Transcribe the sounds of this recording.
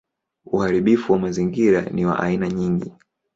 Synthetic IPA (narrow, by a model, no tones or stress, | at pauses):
uhaɾiɓifuwamaziŋɡiɾa̰niwa̰ʔa̰inaɲiŋɡi